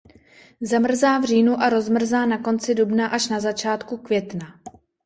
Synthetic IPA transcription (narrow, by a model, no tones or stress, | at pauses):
zamr̩zaːvr̝iːnuʔaɾo̞zmr̩zaːnako̞nt͡sɪdubnaʔaʃnazat͡ʃaːt̪kukvjɛt̪na